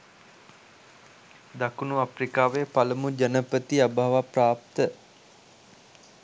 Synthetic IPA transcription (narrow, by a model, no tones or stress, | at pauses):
d̪akunuaprikaːʋeəpaləmud͡ʒanəpət̪iabʱaʋapraːp̚t̪ə